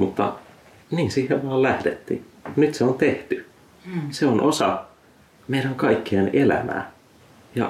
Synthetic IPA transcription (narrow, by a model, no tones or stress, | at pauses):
mut̪ːɑ̰ | niːnsiːheʋʋɑːllæhdet̪ːḭː | nyt̪seont̪eht̪y | seonʔosɑ | meiɾæŋkɑikːienelæ̰mæ̰ː | jɑ̰